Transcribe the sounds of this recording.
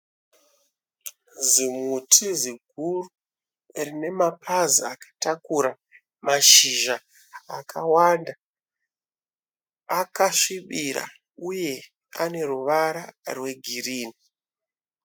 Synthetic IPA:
zimutʰiziɡʱuru | rine̞mapʰaziakḁtakuɾa | maʃiʒa | akawanda | akaʂiɓiɾa̰ | uje̞ | a̰ne̞ɾuʋaɾarwe̞ɡʱiriːni

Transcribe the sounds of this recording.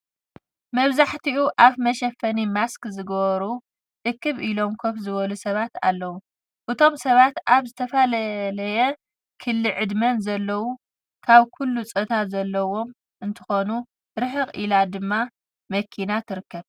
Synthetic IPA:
mɐβzaħt̪iʔuʔaβmɐʃɐfɐnimaskzɨɡɐβɐɾu | ʔɨkːɨβʔilo̞mkʰofzɨβɐlusɐβat̪a̰lːɐwu | ʔɨt̪ʰo̞msɐβat̪ʔaβzɨt̪ʰɐfɐlɐlɐjɛ | kʰɨlːɨʕɨd̪mɐnzɐlːɐwu | kʰaβkʰulːut͡sʼɨt̪ʰat̪zɐlːɐwo̞m | ʔɨnt̪ʰɨ̥xo̞nu | ɾɨħɨqʼilad̪ɨmːa | mɐkʰːinat̪ʰɨɾɨkːɐβ

